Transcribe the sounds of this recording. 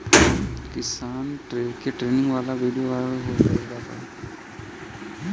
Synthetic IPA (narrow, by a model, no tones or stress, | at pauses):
kɪsaːnʈekeʈɾeːnɪ̃ŋɡʋaːlaʋiːɖjoʋaːɾɦosaeːɡ̪at̪a̰